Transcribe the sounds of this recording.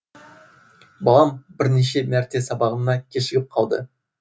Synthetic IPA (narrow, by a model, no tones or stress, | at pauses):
bɑlˠɑmbɪɾneʃe̞mæɾt̪e̞sɑbɑʁəmnɑkʲʰeʃɪɡʲɪp̚qʰɑlˠd̪ə̰